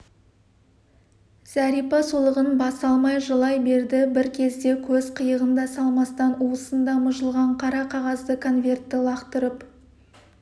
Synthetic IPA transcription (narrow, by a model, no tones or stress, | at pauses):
z̥æɾijpɑsulˠəʁənbɑsɑlˠmɑjʒəlˠɑjbe̞ɾd̪ɪbɪɾkʲʰe̞zd̪e̞kʲʰɵzqʰəjəʁənd̪ɑsɑlˠmɑst̪ɑnuəsənd̪ɑmʊʒəlˠʁɑɴqʰɑɾɑqʰɑʁɑzd̪əkʰo̞nvʲe̞rt̪ːɪlˠɑqt̪əɾəp